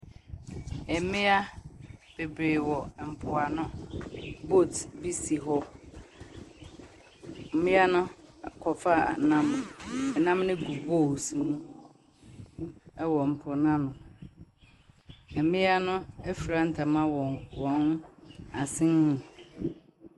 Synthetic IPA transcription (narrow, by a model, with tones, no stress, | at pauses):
ɛ˨mɪ̃˦a˦b̥e˨bɾeː˨wɔ˨m̩˨pʰʊ˨a˨nʊ̃˦ | bo˦˨tbi˦si˨ɦɔ˦ | m̩˦mɪ̃˦a˦nʊ̃˦˨kʰɔ˨fa̰˦˨nã˦mɛ˨nã˦mnɪ̃˦ɡu˨bo˦˨si˨nũ˦ | wɔ˨m̩˨pʰʊ˨nã˦nʊ̃˨ | ɛ˨mɪ̃˦a˦nʊ̃˦ɛ˦fi˨ɾa˨n̩˨tʰa˨mã˦wɔ˨wɔ̃˨˦n˦a˨sɪ̃˦nː˦ũ˨